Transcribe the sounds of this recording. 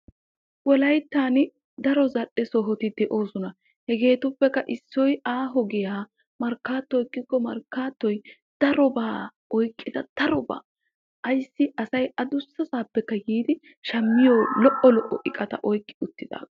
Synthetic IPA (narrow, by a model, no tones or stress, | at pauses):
wɔlɐjt̪ːaːn | d̪ɐɾɔzɐɗɛsɔɦɔt̪ɪd̪ɛʔo̞ːsɔnɐ | hɛɡe̞ːt̪ʊpːɛkːɐʔɪsːɔjaːɦɔɡɪjaː | mɐɾkːaːt̪ːɔjkʼːɪkːɔmɐɾkːaːt̪ːɔj | d̪̥ɐɾɔbaː | ɔjkʼːɪd̪ɐd̪̥ɐɾɔba̰ː | ʔɐjsːɪʔɐsɐjɐd̪ʊsːɐsaːpːɛkːɐɡiːd̪ɪ | ʃɐmːɪjoːlɔʔɔlɔʔɔʔɪkʼːɐt̪ɐ̰ʔɔjkʼːɪʊt̪ːɪd̪a̰ː